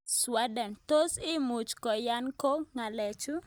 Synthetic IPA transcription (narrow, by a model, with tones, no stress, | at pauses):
swa˦dɛ˨nt̪o˦sɪ˦mu˨t͡ʃkɔ˨ja˦nko˦ŋa˨lɛ˨t͡ʃu˦